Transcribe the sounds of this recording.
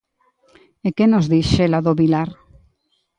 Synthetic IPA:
ekenozðiʃʃelaðoβilaɾ

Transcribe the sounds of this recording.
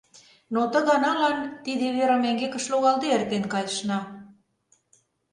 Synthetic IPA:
not̪ə̆ɣɑnɑlɑnt̪iðeβeɾɑmæŋɡekə̆ʃloɣɑlˠd̪eert̪enkɑjʃnɑ

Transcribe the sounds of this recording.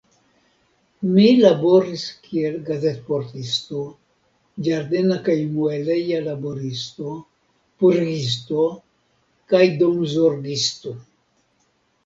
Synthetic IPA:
milabo̞ɾiskʰielɡazet̪̚poɾt̪ist̪o̞ | d͡ʒaɾd̪enakajmuelejalaboɾist̪o̞ | puɾɡis̬t̪o̞ | kajd̪omzoɾɡist̪o

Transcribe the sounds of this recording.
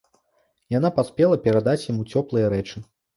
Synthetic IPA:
janapasʲpʲɛlˠɐpʲɛɾad̪at͡sʲjamut͡sʲɔplˠɨjɐɾɛt͡ʂɨ

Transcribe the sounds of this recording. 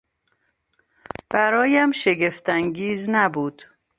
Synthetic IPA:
b̥æɾɒːjæmʃe̞ɡe̞ft̪ʰæŋɟiːznæbuːd̪̥

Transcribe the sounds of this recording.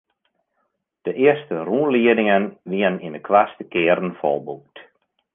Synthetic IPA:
d̥əʔɪəstəruːnliədɪŋənʋiənninəkʰʋastəkɪːəɾn̩fɔ̰lˠbuk̚t

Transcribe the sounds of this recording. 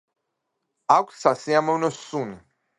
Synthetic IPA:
akʷsasiamɔnɔsuni

